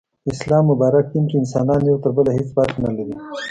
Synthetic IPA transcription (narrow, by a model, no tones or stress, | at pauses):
ɪslɑːmːʊbɑɾak̚t̪inkiɪnsɑ̰ːnɑnjawt̪əɾbəlaɦet͡sbaɾxnalaɾi